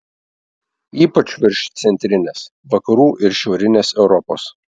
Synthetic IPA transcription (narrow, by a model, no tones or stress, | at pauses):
iːpɐt͡ʃʲʋʲɪɾʲʃt̪sʲɛnʲt̪ʲɾʲɪnʲeːs | ʋɐkɐɾuːʔɪɾʃʲɛʊɾʲɪnʲeːsɛʊɾɔpoːs